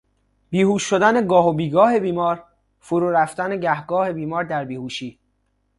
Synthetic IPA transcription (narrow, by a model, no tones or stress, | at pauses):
b̥iːhuːʃːod̪æne̞ɡɒːɦobiːɡɒːhe̞biːmɒːɾ | foɾuːɾæft̪æne̞ɟæhɡɒːhe̞biːmɒːɾd̪æɾbiːhuːʃiː